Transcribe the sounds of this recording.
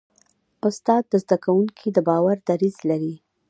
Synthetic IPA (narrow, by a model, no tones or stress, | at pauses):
ʊst̪ɑd̪̚ːəzd̪akawuŋkʰid̪əbɑwaɾd̪aɾizlaɾi